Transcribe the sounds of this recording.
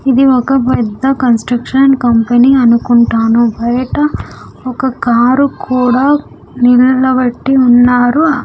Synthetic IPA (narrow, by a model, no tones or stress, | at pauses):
id̪iɔkɐpɛd̪ːɐkɐnsʈɾɐkʂɐnkɐmpɐniːɐnukuɳʈaːnubɐjɐʈɐ | ɔkɐkaːɾukʰuːɽaː | nillɐbɐʈːiunːaːɾu